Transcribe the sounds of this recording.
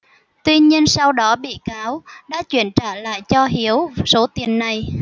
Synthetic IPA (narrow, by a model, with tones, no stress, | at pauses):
t̪wi˧ɲi˧ənsa˧wɗɔ˨˦ɓḭ˧˨kaː˨˦wɗa̰ː˧˥t͡ɕwi˧˩ənt͡ɕaː˧˩la̰ː˧˨jt͡ɕɔ˧ɦi˨˦əwso˨˦t̪i˨˩ənːa˨˩j